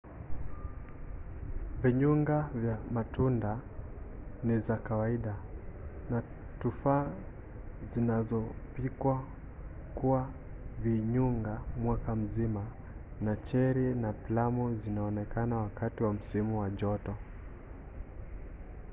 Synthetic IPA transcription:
viɲuŋɡavjamatunda | nizakawaiɗa | na | tufaː | zinazɔpikwa | kuwa | viɲuŋɡamwakam̩zima | nat͡ʃɛɾinaplamuzinaɔnɛkanawakatiwam̩simuwaʄɔtɔ

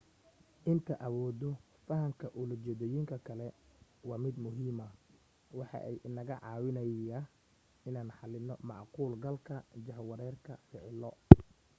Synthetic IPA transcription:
ʔɪnt̪ʰɐʔɐwɔːd̪ɔ | fɐɦɐmkʰɐʔʊlʊt͡ʃɛðɔjɪŋkʰɐkʰɐlɛwɑːmɪd̪mʊɦiːmɐ | wɑħɑ̰ʔɛjʔɪnɐɣɐʕɑːwɪnɐɐ | ɪnaːnħɑlɪnːɔmɑʕquːlɡɐlkʰɐd͡ʒɐhwɐɾɛːrkʰɐfɪʕlːɔ

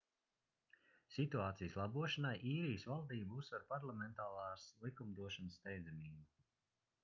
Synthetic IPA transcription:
sit̪uaːt̪sijslˠabuɔʃanajʔiːɾijəsvalˠd̪iːbusvaɾpaɾlˠamɛnt̪aːlˠɑːslˠikumd̪uɔʃansːt̪ɛjd̪zɛmiːbu

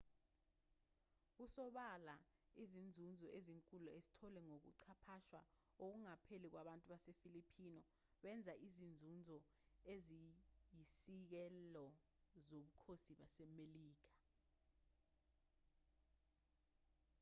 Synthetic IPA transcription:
usɔɓalaizind͡zʱund͡zʱɔʔeziŋkʼulɔezi̥tʰɔlɛŋok̬ṵǀʰapʰaʃwa | ok̬uŋapʰelik̬waɓantʼuɓasefilipʰinɔ | ɓɛnd͡zʱaʔizind͡zʱund͡zʱɔ | ezijisik̬ɛlɔ | zoɓukʰosiɓasɛmeliːk̬ḁ

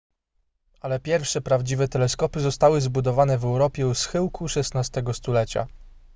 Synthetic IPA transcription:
alɛpʲjɛɾfʂɛpɾavd͡ʑivɛt̪ɛlɛskɔpɘzɔst̪awɘzbud̪ɔvanɛvɛwɾɔpʲjɛusxɘwkʰuʂɛsnast̪ɛɡɔst̪ulɛt͡ɕa̰

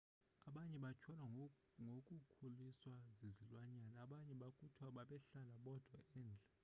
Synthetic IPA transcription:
aɓaɲɛɓat͡ʃʰɔlwa | ŋokʼukʰuliswazizilwaɲanaːɓaɲɛɓakʼutʰwaɓaɓɛɬalaɓɔd̥ʱwaɛːnd͡ɮʱa

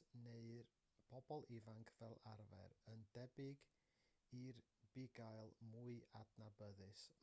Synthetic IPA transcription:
neɨr | pʰɔbɔlˠɪvaŋkʰv̥ɛlˠaɾvɛ̰ɾəndɛbɪɡ | ir | b̥ɪɡajlˠmuɨadnabəðɨs

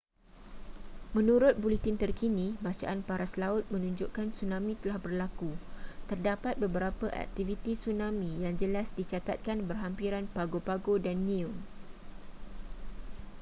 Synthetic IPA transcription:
mə̃nũɾʊt̪̚bulit̪ɪnt̪ərkinĩbat͡ʃa̰ʔanpaɾaslaʊt̪̚mə̃nũɲd͡ʒʊʔkansunãmĩt̪əlahbərlakut̪ərdapat̪̚bəbəɾapəʔa̰k̚t̪ivit̪isunãmĩjaŋd͡ʒəlasdit͡ʃat̪at̪̚kanbərɦampiɾanpaɡopaɡodanːĩu

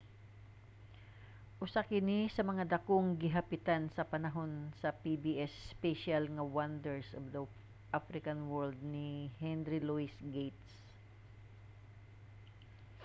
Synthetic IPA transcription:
ʔʊsakɪnɪsɐmɐŋad̪ɐkoŋɡɪɦɐpɪt̪ansɐpɐnɐɦo̞nsɐpibiʔɛspɛʃalŋɐwɐnd̪ɛɹsʔɔvd̪ɐ | ʔafɾɪkɐnwɛɹld̪̚nɪhɛnɾɪluɪsɡejt̪s

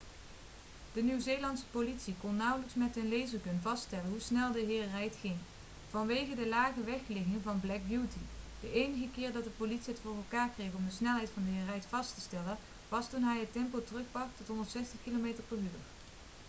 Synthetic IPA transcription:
d̥ənywzejlɑntsə̥politsikɔnːɑwələksmɛtənlejzərkɵnvɑsttɛlənɦusnɛlˠdəɦɪːɹrɛjtχɪŋ | v̥ɑnʋejɣədəlaːχəʋɛxlɪɣɪŋvɑnblɛk̚bjutid̥əʔejnəɣəkɪːɹdɑt̚dəpolitsiətfʊːrɛlˠkaːɹkrejxɔmdəsnɛlˠɦɛjtfɑndəɦɪːrɛjtfɑstəstɛlə | ʋɑstunɦɛjətɛmpotərɵχbɑχtɔtɦɔndəɹtsɛstəχkilomejtəɹpəɹɦyːr

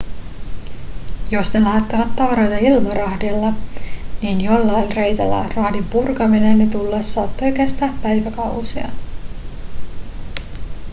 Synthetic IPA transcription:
jo̞sne̞læːt̪ːeʋæt̪ːɑʋɑɾo̞jt̪ɑilmɑɾɑhdilːɑniːnjolːɑjlʲre̞jt̪ælːæ̰rɑhdimpurkɑminenːet̪ulːesːɑːt̪ːo̞jkest̪æːppæjʋækɑwsiɑ̰

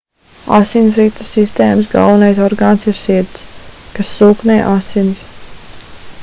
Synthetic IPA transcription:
a̰sins̬ɾit̪ə̥sːist̪eːməs̬ɡa̰lˠʋɐnajsɔɾɡaːnsiɾsit̪skasːuːknɛːʔasins

